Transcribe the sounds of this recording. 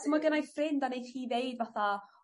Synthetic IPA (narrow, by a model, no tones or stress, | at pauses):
səmaɡənajfrɪndanejχiːvejdvaθa